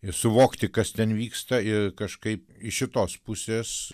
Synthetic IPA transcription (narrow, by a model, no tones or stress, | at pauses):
ɪsʊʋoːkt̪ʲɪkɐst̪ʲɛnʋʲiːkst̪ɐɪkɐʃkɐɪpɪʃʲɪt̪oːspʊsʲeːs